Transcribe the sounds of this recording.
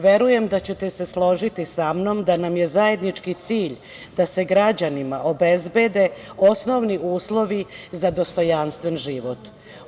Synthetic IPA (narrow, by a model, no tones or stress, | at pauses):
ʋe̞ɾuje̞md̪at͡ɕet̪e̞se̞slˠo̞ʒit̪isamno̞md̪anamje̞zaje̞d̪nit͡ʂkit̪siːʎ | d̪̥ase̞ɡɾad͡ʑanimaʔo̞be̞zbe̞d̪e̞osno̞ʋniuːslˠo̞ʋizad̪o̞st̪o̞janst̪ʋe̞nʒiʋo̞t̪